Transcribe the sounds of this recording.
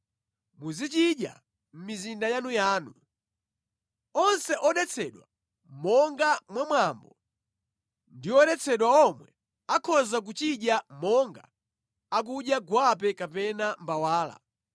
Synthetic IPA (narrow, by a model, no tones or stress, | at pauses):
muzit͡ʃiɗja̰ | m̩mizindajanujaːnu | ɔnsɛʔɔɗɛt͡sʰɛɗwa | mɔŋɡamwamwambɔ | ndiɔɗɛt͡sʰɛɗwaɔmwɛ | akʰɔzak̬ut͡ʃiɗjamɔŋɡa | ak̬uɗjaɡwapɛkapɛnambawaːla̰